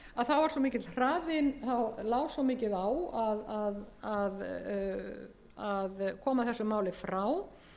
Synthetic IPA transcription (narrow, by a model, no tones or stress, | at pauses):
aðθawvaɾswɔmɪːcɪt̪r̥aːðɪnθawlaːwswɔmɪːcɪðawaðaðað | aðkʰɔːmaθɛsːʏmaːwlɪfɾaw